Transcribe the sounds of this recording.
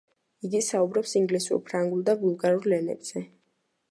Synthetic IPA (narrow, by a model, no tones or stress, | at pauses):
iɡisaubɾɔpsiŋɡlisṵɾpʰɾaŋɡulˠd̪abulˠɡaɾuɾlɛnɛ̰bz̥ɛ